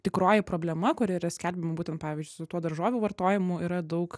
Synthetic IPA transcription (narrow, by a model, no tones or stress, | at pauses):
t̪ʲɪkɾoːjɪpɾoːbʲlʲɛmɐkʊɾʲɪiɾɐsʲkʲælʲbʲɪmɐbuːt̪ʲɛnt̪̚pɑːʋʲiːzʲd͡ʒʲʊɪsʊt̪uɔd̪ɐɾʒoːʋʲuːʋɐrt̪oːjɪmʊiɾɐd̪ɐʊk